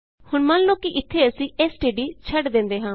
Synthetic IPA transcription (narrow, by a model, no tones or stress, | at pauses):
hʊɳmãnloːkiːʔɪt̪ʰːeːəsĩːʔeːsʈeːɖiːt͡ʃʰəɖd̪ɪ̃ːnd̪eːɦãː